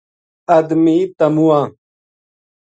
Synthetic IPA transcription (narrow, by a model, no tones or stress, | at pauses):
ɐd̪miːt̪ɐmuãː